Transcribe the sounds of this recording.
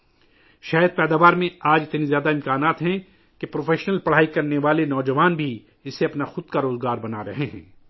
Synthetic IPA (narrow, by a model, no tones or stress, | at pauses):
ʃaːjəd̪̚pɛːd̪aːʋaːɾmẽaːd͡ʒɪt̪nizjaːd̪aɪ̃mkaːnaːt̪ɦɛ̃ | kepɾoːfʰeːʃnəlpɐɽ̤aːikɐɾneʋaːlenɔːd͡ʒɐʋaːnbʱi | ɪseɐpnaxʊd̪̚kaɾoːzɡaːɾbɐnaɾɐɦeɦɛ̰̃ː